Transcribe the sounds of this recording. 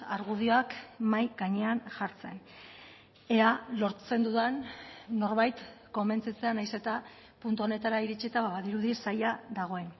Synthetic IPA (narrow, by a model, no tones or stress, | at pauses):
aɾɣuð̞io̞akmajɡaɲe̞anʝaɾt͡se̞n | ealo̞ɾt͡se̞nd̪uðanːo̞ɾβajt̪ko̞mbe̞nt͡sit͡se̞anajse̞t̪a | punt̪uo̞ne̞t̪aɾaiɾit͡ʃit̪aβaβaðiɾuðisajaðaɣ̞o̞e̞n